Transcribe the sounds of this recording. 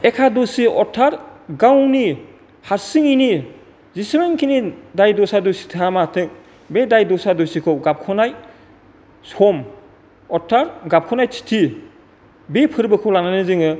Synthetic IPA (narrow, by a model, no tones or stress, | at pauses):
ekʰadosiʔɔtʰaɾɡawni | haɾsiŋini | zismeŋkʰinidajdɔsadosi̥tʰɯamatʰɯk̚ | bedajdɔsadosikʰɯwɡap̚kʰɔnaj | sɔm | ɔtʰaɾɡap̚kʰɔnajt͡ʃʰi̥tʰi | bepʰɯɾbɯkʰɯwlananɯzɯŋɯ